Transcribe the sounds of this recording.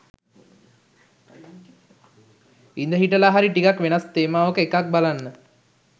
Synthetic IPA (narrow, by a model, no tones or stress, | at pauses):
ind̪əɦiʈəlaɦaɾiʈikakʋenast̪eːmaːʋəkəekak̚balanːə